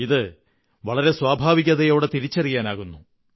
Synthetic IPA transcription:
iðɨ | ʋɐɭɐɾe̞swaːbʱaːʋiɣʲɐðɐjo̞ːɽet̪iɾit͡ɕːɐrijaːnaːɣunːu

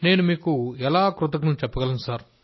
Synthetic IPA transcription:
ne̞ːnumiːkuɛlaːkɾut̪̬ɐkɐnut͡ʃɛpːɐɡɐlɐnusaːɾ

